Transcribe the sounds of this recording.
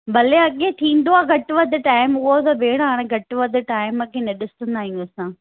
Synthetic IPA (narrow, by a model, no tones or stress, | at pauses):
bɐleɐɠẽt̪ʰĩːn̆d̪oaːɡʱɐʈʋɐd̪ʈaːɪmʊɦot̪ɐbeːɽ̃aːɽ̃ẽɡʱɐʈʋəd̪ʈaːɪməkʰẽːnɐɗɪsə̃nd̪aːɦĩjõsãː